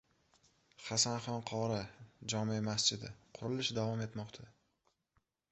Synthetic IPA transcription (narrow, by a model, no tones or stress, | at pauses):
χasanχɒnqʰɒɾad͡ʒɒmimasd͡ʒɪd̪ɪqʰʊɾɪlɪʃd̪avɒme̞t̪mɒqt̪ʰa